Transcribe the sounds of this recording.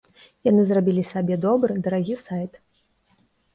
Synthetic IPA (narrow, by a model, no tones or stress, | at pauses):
janɨzrabʲilʲisabʲɛd̪ɔbɾɨd̪ɐɾaɣʲisajt̪